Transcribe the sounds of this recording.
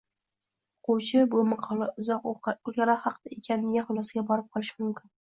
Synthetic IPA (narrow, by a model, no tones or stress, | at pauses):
oqʰʊwt͡ʃʰɪbʊmɑqʰlˠaʊzɒqʊɡʲaɾahɑqʰd̪̥aekʲʰanːɪɡʲaχʊlˠɒsɡʲabɒɾɪp̚qʰɒlˠɪʃmʊmkʲʰɪn